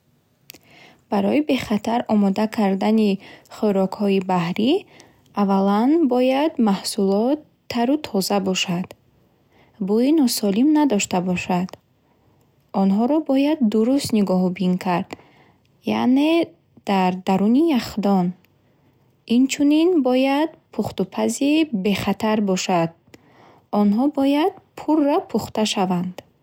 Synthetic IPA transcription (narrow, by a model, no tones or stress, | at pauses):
b̥aɾɔibe̞χat̪ʰaɾɔmɔd̪akʰaɾd̪aniχøɾɔkhɔibahɾi | avalanbɔjad̪mahsulɔt̪ʰːaɾut̪ʰɔzabɔʃad̪̥ | buinɔsɔlimnad̪ɔʃt̪abɔʃad̪̥ | ɔnɦɔɾɔbɔjad̪ːuɾust̪niɡɔhbinkʰaɾd̪̥ | ja̰ʔne̞ | d̪̥aɾd̪aɾunijaχd̪ɔn | int͡ʃʰuninbɔjad̪pʰuχt̪upʰazibe̞χat̪ʰaɾbɔʃad̪̥̚ | ɔnɦɔbɔjad̪̥pʰurːɔpʰuχt̪aʃavand̪̥